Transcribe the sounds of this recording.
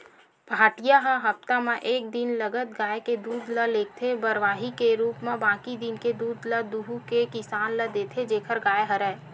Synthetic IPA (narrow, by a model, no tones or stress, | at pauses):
bʱaːʈijaɦəɦəpt̪amẽʔeːk̚d̪ɪnləɡət̪̚ɡaːeked̪uːd̪ləleːk̚t̪ʰebəɾʋaːɦikeɾuːpmẽbãːkid̪ɪnked̪uːd̪ləd̪uɦukekɪsaːnləd̪eːt̪ʰed͡ʒeːkʰəɾɡaːeɦəɾɛː